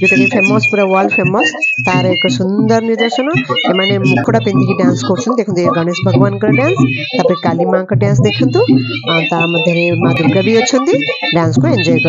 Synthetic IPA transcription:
bikɐnifʰemoːspuːɾaʋaːlpʰeːmost̪aːɾɐkɐsund̪ɐɾniɾd̪ɐʃɐnɐemaːnemukʰːuɽapind̪ikiɖaːnskokt͡ʃʰund̪ekʰind̪uɡɐɳeʃbʱɐɡʋaːnkɐɾɐɖjaːns | t̪apɐʈikaːlimaːkɐɖjaːns̬d̪ekʰunt̪u | ant̪amɐd̪ʱjɐɾemaːd̪uɾkɐbiɐt͡ʃːʰɐnd̪iɖjaːnskueɲd͡ʒɔːjkɐɾ

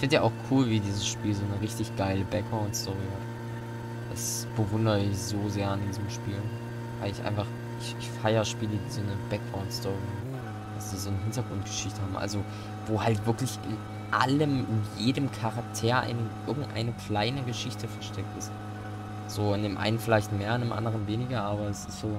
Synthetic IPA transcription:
ʔɪfɪntjaʔaʊxkʰuːlviːdiːzəsʃpiːlzoːnəʁɪçtɪçɡ̥aɪləbɛkʁãʊntstʰɔʁihat | d̥as | b̥əvʊndəʁəɪçz̥oːzeːɐandiːzəm̩ʃpiːl | v̥aɪlɪçʔa̰ɪnfaχ | ʔɪçʔɪçfaɪɐʃpiːlədiːzoːnəbɛkʁãʊ̃nstʰɔʁiha | d̥asd̥iːzoːnəɦɪntɐɡʁʊntɡ̥ə̥ʃɪçtəhaːbm̩ʔa̰lzo | voːhaltv̥ɪɐklɪçʔɪ̰n | ʔa̰ləmʔɪnjeːdəmkʰaʁak̚tʰeːɐʔa̰ɪnəʔɪɐɡŋ̩tʔa̰ɪnəkʰl̥aɪnəɡəʃɪçtəfɛɐʃtʰɛk̚tɪst | z̥oːɪndeːmʔa̰ɪnənfɪlaɪçtmeːɐandeːmʔa̰ndəʁ̞ənveːnɪɡɐʔaːbɐɛsɪstz̥oː

